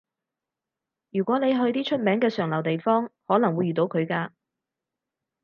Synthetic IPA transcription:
jyː˨˩kʷwʷɔː˨˥ne˨˧jɦɵ˧ɥt̪iː˥t͡ʃʰɵ˥t̚mɛː˨˥ŋkɛː˧sœː˨˩ŋlɐ˨˩wt̪e˨jfɔː˥ŋhɔː˨˥nɐ˨˩ŋwu˨˧jːyː˨t̪o˨˥wkʰɵ˨˧ɥkaː˧

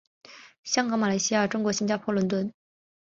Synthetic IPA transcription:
ɕjɑ˥ŋkɤ˧˥ma˨˩la˧˥ɪɕi˥ja˥˧˩ʈ͡ʂʊ˥ŋkwɔ˧˥ɕi˥nt͡ɕja˥˩pʰwɔ˥˩lwə˧˥nt̪wə˥n

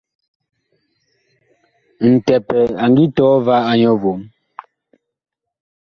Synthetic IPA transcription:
n̩˨tɛ˨pɛ˨a˨ŋɡi˦tɔː˨˦va˦a˦ɲɔ˦vo˨m

